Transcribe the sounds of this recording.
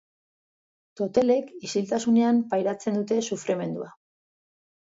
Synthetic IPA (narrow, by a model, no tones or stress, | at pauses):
t̪o̞t̪e̞le̞kisilt̪asune̞ampajɾat͡se̞nd̪ut̪e̞sufɾeme̞nd̪ṵa